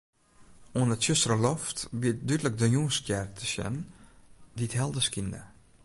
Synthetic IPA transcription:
uənətsøsrəlɔftbiət̚dydlək̚dəjuəstjɛrtʰə̥sjɛ̰nn | ditɦɛlˠdəskində̰

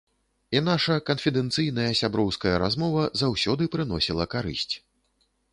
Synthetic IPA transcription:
in̪aʂɐkɐnfʲid̪ɛnt̪sɨjn̪ɐjɐsʲabɾɔwskɐjɐɾazmɔvɐzawsʲɔd̪ɨpɾɨnɔsʲilˠɐkaɾɨ̰sʲt͡sʲ

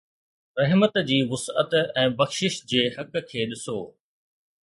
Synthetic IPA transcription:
ɾɐɦmət̪d͡ʑiːʋʊsə̰t̪ɛ̃ːbɐxʃɪʃd͡ʑeːhɐk̆kʰeːɗɪsoː

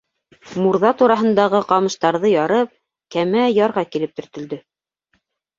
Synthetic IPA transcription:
muɾðɑt̪uɾɑɦɤ̆nd̪ɑʁɤqɑmɤ̆ʃt̪ɑɾðɤjɑɾɤp̚ | kæmæjɑɾʁɑkilɘp̚t̪ɵ̆ɾt̪ɵ̆ld̪ɵ

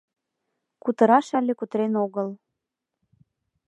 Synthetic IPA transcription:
kut̪ə̆ɾɑʃɑlʲekut̪ɾenoɣəl

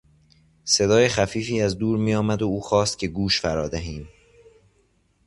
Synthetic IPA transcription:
se̞d̪ɒːjexæfiːfiːæzd̪uːɾmijɒːmæd̪ouːxɒːst̪̚cʰe̞ɡuːʃfæɾɒːd̪æɦiːm

